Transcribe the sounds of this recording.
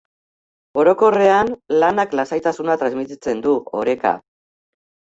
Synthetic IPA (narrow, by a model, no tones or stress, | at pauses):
o̞ɾoko̞re̞anlanaklasajt̪asunat̪ɾazmit̪it͡se̞nd̪uo̞̰ɾe̞ka̰